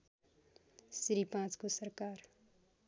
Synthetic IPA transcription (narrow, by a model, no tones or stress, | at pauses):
sɾipãt͡skosəɾkaːɾ